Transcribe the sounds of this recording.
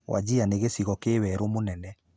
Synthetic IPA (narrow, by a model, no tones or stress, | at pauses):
wʔa̰d͡ʑianeɣesiɣɔkewɛɾomonɛnɛ